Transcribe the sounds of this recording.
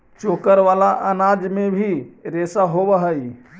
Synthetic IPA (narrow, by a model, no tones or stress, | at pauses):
t͡ʃokəɾʋalaʔənad͡ʒmebʱiɾesaɦobəɦəj